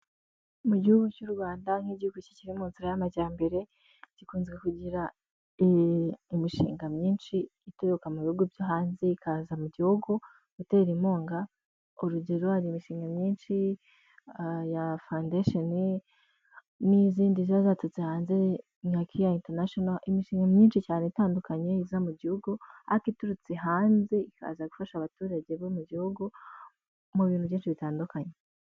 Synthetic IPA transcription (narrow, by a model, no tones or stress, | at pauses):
muɟihuɡucuɾuβaːndaŋ̥hiɟihuɡuci̥ciɾimuːnziɾajamaɟaːmbe̞ɾe̞ | ɟikuːnzɡwekuɟiɾa | imiʃḭːŋɡamɲiːnʃiːtejokamuβihuɡuvjoɦaːnzeikʰazamuɟihuɡu | uteːɾimo̞ːŋɡa | oɾuɟeɾohaɾimiʃiːŋɡamɲiːnʃi | jafawndeʃoni | niziːndiziβazatut͡sehaːnze | ŋŋakʰijainteɾnaʃonaʔimiʃiːŋɡamɲiːnʃicaːneitaːndukaɲeizamuɟihuɡua̰kituɾut͡siɦaːnze̞ika̰ːzaɡufaʃaβatuːɾaɟeβomuɟihuɡu | muβiːn̥huβjiːnʃiβitaːndukaɲe